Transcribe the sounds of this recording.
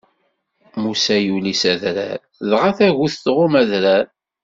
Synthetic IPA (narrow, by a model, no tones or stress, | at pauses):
musæjulisæðɾæ̰ɾ | ðʁaθæʝuθθʁʊmæðɾæɾ